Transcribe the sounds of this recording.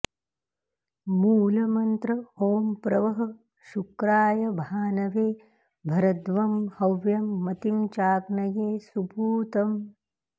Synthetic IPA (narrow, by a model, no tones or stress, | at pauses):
muːlɐmɐnt̪ɾɐoːmpɾɐʋɐɦɐ | ʃukɾaːjɐbʱaːnɐʋeː | bʱɐɾɐd̪ʋɐmhɐʋjɐmːɐt̪imt͡ʃaːɡnɐjeːsupuːt̪ɐm